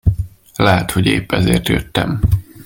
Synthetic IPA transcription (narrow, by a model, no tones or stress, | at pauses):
lɛɦɛt̪ho̞ɟeːpːɛzeːrt̪jøt̪ːɛm